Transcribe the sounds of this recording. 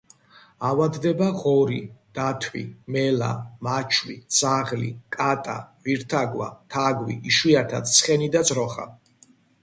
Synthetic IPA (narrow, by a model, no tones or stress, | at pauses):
awad̪ːɛbaʁɔɾḭd̪̥at̪ʰwḭmɛla̰mat͡ʃʰwisaʁlḭkʼat̪ʼa̰viɾt̪ʰaɡwat̪ʰaɡwḭʔiʃwiat̪ʰat̪t̪sʰχɛnid̪ad̪zɾɔχa̰